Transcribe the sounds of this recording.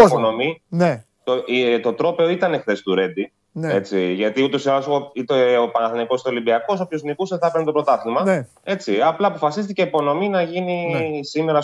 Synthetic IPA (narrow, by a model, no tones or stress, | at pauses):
ono̞mine | t̪ot̪o̞t̪ɾo̞pe̞o̞it̪ɐne̞xθe̞st̪uɾe̞d̪i | ne̞t͡siʝɐt̪iut̪o̞sialosoit̪eopɐnɐθoniko̞st̪olibiɐko̞sopço̞znikuseθɐpeɾnit̪opɾo̞t̪ɐθimɐ | e̞t͡siɐplɐːpo̞fɐsist̪ice̞ipo̞no̞minɐʝinisime̞ɾɐ